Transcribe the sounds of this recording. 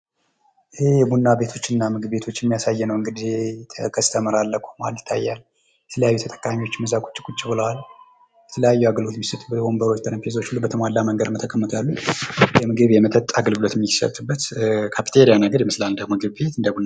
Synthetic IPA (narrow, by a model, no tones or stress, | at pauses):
ʔɪhejɛbunːabe̞t̪ʰo̞t͡ʃːɪnːamɨɡɨβbe̞t̪ʰo̞t͡ʃːɛmːijasajːɛnəwɨŋɡɨd̪it̪ʰəkʰəst̪ʰəməɾalːəkʰu̥maljɪt̪ʰːajːalː | jɛt̪ʰələjajːut̪ʰt̪ʼə̥kʼːamiwo̞t͡ʃːməzakʼu̥t͡ʃʼːi̥kʼut͡ʃʼːibɨləwal | jɛt̪ʰələjajːuaɡəlo̞t̪misɨt̪ʼubbo̞mbəɾot͡ʃt̪əɾəmpʰezo̞t͡ʃːhulːubət̪ʰəmalːaməŋɡəd̪ɨnot̪ʰəkʼəmːət̪ʰjalːujɛmɨɡɨβjɛmət̪ʰʼət̪ʼaɡəlɡɨlo̞t̪jɛmːisə̰t̪ʼːɨbːət̪kʰapʰit̪ʰeɾijanəɡəɾjɛmɨslald̪əɡmoɨɡɨβbet̪ɨnd̪əbun